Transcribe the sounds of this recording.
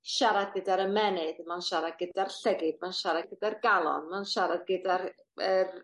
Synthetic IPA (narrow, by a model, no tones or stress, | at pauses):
ʃaɾad̚ɡədaɾəmɛnɨdmanʃaɾad̚ɡədarɬəɡɪb̚manʃaɾad̚ɡədarɡalˠɔ̰nmanʃaɾad̚ɡədar | ər